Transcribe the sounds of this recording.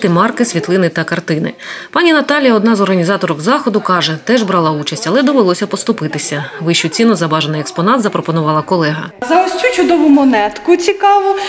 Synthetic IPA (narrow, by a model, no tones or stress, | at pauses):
t̪ɪmɑrkɪsʲʋʲit̪lˠɪnɪt̪ɐkɐrt̪ɪnɪ̰pɑnʲinɐt̪ɑlʲijɐɔd̪nɑzɔrɦɐnʲizɑt̪ɔɾɔkzɑxɔd̪ʊkɑʒɛt̪ɛʒbɾɑlˠɑut͡ʃɐsʲtʲɐlˠɛd̪ɔʋelˠɔsʲɐpɔst̪ʊpɪt̪ɪsʲɐʋɪʃt͡ʃʊt͡sʲinʊzɐbɑʒenɪjɛkspɔnɑt̪zɐpɾɔpɔnʊʋɑlˠɐkɔlˠɛɦɐzɐɔsʲt͡ʃʲut͡ʃʊd̪ɔʋʊmɔnɛt̪kʊt͡sʲikɑʋʊ